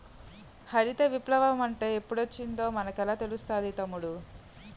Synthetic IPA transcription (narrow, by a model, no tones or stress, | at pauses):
hɐɾit̪eʋiplɐʋɐmɐɳʈe̞ːepːuɽot͡ʃːind̪o̞ːmɐnɐkɛlaːt̪e̞lust̪aːd̪it̪ɐmːuɽu